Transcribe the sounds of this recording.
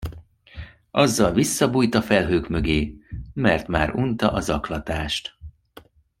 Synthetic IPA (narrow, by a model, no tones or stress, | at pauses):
ʔɒzːɒlvisːɒbuːjt̪ɒfɛlɦøːkmøɡeːmɛrt̪ma̰ːɾunt̪ɒʔɒzɒklɒt̪aːʃt̪